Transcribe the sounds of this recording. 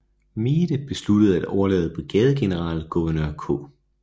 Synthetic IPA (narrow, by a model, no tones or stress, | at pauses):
miːd̥əb̥e̝slud̥əð̞̩ˠæd̥ɒʊɐlɛ̰ːð̞̩ˠəb̥ʁiɡ̥ɛːð̞ˠəɡ̥e̝nəʁɑ̰̈ːlɡ̥uʋɐnø̰ɐ̰kʰɔ̰ː